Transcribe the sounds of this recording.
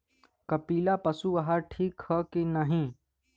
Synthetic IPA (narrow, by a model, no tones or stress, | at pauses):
kɐpiːlapɐsuʋɐɦaɾʈʰiːkhəkenɐɦĩ